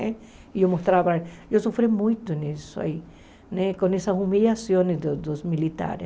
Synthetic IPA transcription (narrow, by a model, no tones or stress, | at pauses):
ɛ | iowmost̪ɾaβaesofɾemũjt̪ʊnisʊa̰i | nɛkõnesɐsumiʎasjõnɪsd̪ʊd̪ozmilit̪a̰ɾe